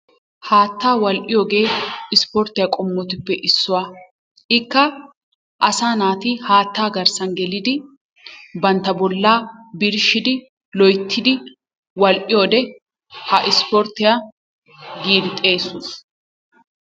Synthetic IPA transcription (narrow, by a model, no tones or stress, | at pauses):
haːt̪ːaːwɐlʔɪjɔːɡe̞ːɪspɔɾt̪ɪjakʼɔmːɔt̪ɪpːɛʔɪsːʊwa | ɪkːɐ | ʔɐsaːnaːt̪ɪhaːt̪ːaːɡɐɾsɐnɡɛlɪd̪ɪ | bɐnt̪ːɐbɔlːaːbɪɾʃɪd̪ɪ | lɔjt̪ʰːɪd̪ɪ | wɐlʔɪjoːd̪ɛ | hɐʔɪspɔɾt̪ːɪja | ɡiːɾɪt̪ʼːe̞ːsʊs